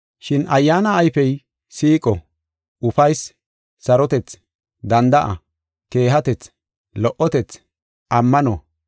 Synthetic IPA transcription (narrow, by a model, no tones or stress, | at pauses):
ʃɪnʔɐjːaːnɐːjfɛj | siːkʼɔ | ʔʊfɐjs | sɐɾɔt̪ɛt͡s | d̪ɐnd̪ɐʔɐ̰ | ke̞ːɦɐt̪ɛt͡s | lɔʔɔt̪ɛt͡s | ʔɐmːɐnɔ